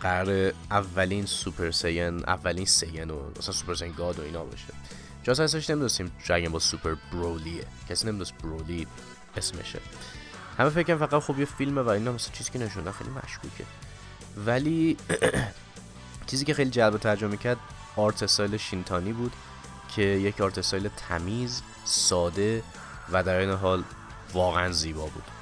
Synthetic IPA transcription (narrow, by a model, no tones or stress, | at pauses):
ɢæɾɒːɾeʔævːæliːnsupʰeɾsejenæ̰vːæliːnsejeno̰mæ̰sænsu̥pʰeɾsejnɡɒːd̪oḭːnɒːbɒ̰ːʃe | d͡ʒɒs̬æes̬æɾeʃne̞mid̪osiːmɾæɡæmbɒzsupʰeɾbɾolie | cʰæsiːnemid̪osibɾoli | esmḛʃḛ | hæmefecʰːæɾæmfæɣæt̪xubjefilmevæinɒmæsænt͡ʃʰiːziːcʰʲene̞ʃund̪ænxejlimæ̰ʃkʰṵːcʰḛ | væli | t͡ʃʰiːziːcʲe̞xe̞jlid͡ʒælbet̪ʰæɾd͡ʒomecʰæɾd̪ | ɒːɾt̪ʰest̪ɒjleʃint̪ʰɒːniːbuːd̪̥ | cʰe̞jecʰɒːɾt̪ʰest̪ɒjlet̪ʰæ̰miːz | sɒːd̪e̞ | væd̪æɾejneɦɒːl | vɒːɣeænziːbɒːbṵːd̪̥